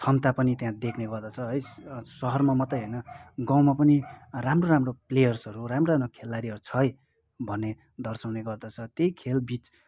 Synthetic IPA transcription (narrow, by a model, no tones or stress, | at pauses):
t͡sʰʌnt̪apʌnit̪jãd̪ekʰneɡʌrd̪ʌt͡sʰʌɦʌjsʌɦʌrmamʌt̪ʌjɦʌjnʌɡãw̃mapʌniramroɾamroplejʌrsʌɾuramroamrokʰelːaɾiɦʌɾut͡sʰʌj | bʱʌnːe | d̪ʌrsʌwneɡʌrd̪ʌt͡sʰʌt̪jejkʰelbit͡s